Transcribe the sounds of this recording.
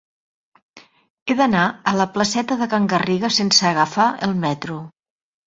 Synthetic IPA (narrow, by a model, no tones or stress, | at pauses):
eðənaələpləsɛt̪əðəkəŋɡəriɣəsensəːɣəfaʔəlˠmɛt̪ɾu